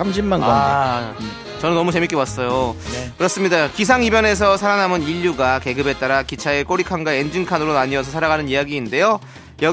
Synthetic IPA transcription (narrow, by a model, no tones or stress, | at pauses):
amɕʰimmanɡaa | t͡ɕʌnɯnːʌmut͡ɕe̞mik͈ewas͈ʌjokɯɾʌs͈ɯmɲidakisʰaŋibjʌne̞s̬ʰʌsʰaɾanɦamɯniʎːuɡake̞ɡɯbe̞t͈aɾakit͡ɕʰaek͈oɾikʰanɡaend͡ʑiŋkʰanɯɾonaɲiʌs̬ʰʌsʰaɾaɡanɯnijaɡiːnde̞jo | jʌ